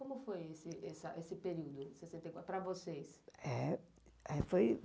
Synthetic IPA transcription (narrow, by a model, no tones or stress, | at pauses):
kõmʊfojesɪʔɛsɐʔesɪpeɾiwd̪ʊsesẽnt̪ejkwapɾɐvosejsɛ | ɛfoj